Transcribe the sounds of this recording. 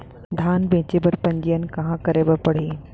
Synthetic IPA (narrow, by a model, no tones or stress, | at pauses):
d̪ʱaːnbẽːt͡ɕebɐɾpɐ̃ɲd͡ʑijənɪ̆kɐɦãkɐɾebəpɐɽ̤eː